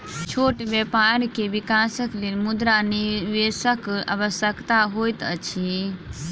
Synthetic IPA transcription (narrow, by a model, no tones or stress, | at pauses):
t͡ʃʰoʈʋɛpaɾkeʋikasəklelmud̪ɾaniʋesəka̰ʋəsjəkt̪aɦojt̪ət͡ʃʰi